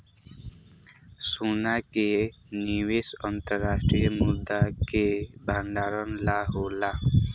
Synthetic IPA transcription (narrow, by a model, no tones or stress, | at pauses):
sunake | niwesɔnt̪ʌɾːasʈɾijɔmud̪ːakebʱanɖaɾɔnlaɦola